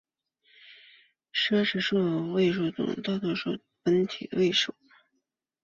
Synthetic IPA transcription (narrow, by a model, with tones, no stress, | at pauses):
ʂa˥ʂɻ̩˥˩ʂɔ˥˩˨we˥˧ɪʂo˥˩t͡s̪ʊ̰˨˩ŋt̪ɑ˥˧ʊt̪ʂɔ˥˩ | pə˧˥nt̪ʰḭ˨˩əwe˥˩ɪʂo˨˩˦ʊ˦